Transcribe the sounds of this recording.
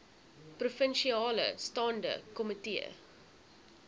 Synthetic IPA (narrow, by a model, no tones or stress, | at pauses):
prufənʃiɑːlə̰stɑːndə̰kɔmətiə̰